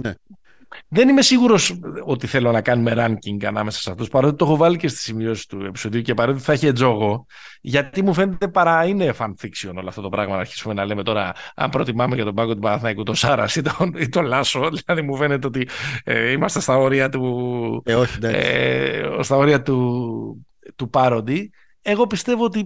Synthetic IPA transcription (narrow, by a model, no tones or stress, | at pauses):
ne | ðe̞nime̞siɣuɾo̞so̞t̪iθe̞lo̞nɐkɐnume̞ɾɐɲciŋɡɐnɐme̞sɐ̥sɐft̪ospɐɾot̪it̪o̞xo̞vɐlice̞st̪i̥simio̞si̥t̪ue̞pi̥so̞ðiucepɐɾot̪et̪iθɐeçied͡zo̞ɣo̞ | ʝɐtt̪imufe̞net̪e̞pɐɾɐine̞fɐnθiksio̞no̞loɐft̪o̞t̪o̞pɾɐɣmɐnɐɾçi̥sume̞nɐle̞met̪o̞ɾɐɐ̰mpɾo̞t̪imɐmeʝɐt̪obɐɡot̪upɐðɐθnɐkut̪o̞nsɐɾɐ̰sit̪oit̪o̞lɐso̞ðillɐðimufe̞ne̞t̪eo̞t̪ieimɐst̪est̪ɐo̞ɾiɐt̪u | oçid̪ɐ̰s | st̪ɐo̞ɾiɐt̪u | t̪upɐɾo̞d̪i | e̞ɣo̞pist̪e̞voot̪i